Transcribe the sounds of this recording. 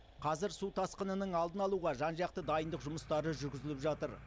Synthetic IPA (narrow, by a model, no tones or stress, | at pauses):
qʰɑzɪɾsut̪ʰɑsqənənəɴɑlˠd̪ənɑlˠuʁɑʒɑnʒɑq̚t̪əd̪ɑjənd̪əqʒʊməst̪ɑɾəʒʏɾɡʲɪzɪlɪpʒɑt̪əɾ